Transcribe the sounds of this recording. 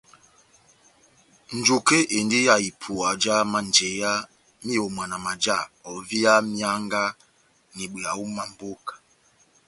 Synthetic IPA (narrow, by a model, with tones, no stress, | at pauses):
n̩˨d͡ʒo˨ke˦ʔe˨n˦di˦ja˨i˨pʰu˨a˨d͡ʒa˦ma˦n˨d͡ʒe˨˦ja˦ | mi˦o˨m˨a˨na˨ma˨d͡ʒa˦˨ɔ˨vi˦ja˦mi˦a˦ŋɡa˦ | ni˨ɓe˨a˨u˦ma˨m̩˨bo˦kḁ˨